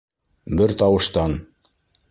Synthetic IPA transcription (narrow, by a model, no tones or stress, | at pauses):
bɘɾt̪ɑwɤ̆ʃt̪ɑn